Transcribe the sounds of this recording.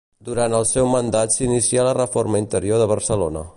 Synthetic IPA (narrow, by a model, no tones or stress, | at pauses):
d̪uɾant̪əlˠsɛwmənd̪at̪sinisialərəfoɾməint̪əɾioðəβərsəlonə̰